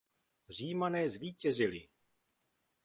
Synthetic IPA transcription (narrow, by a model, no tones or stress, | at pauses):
r̝iːmanɛːzviːcɛzɪlɪ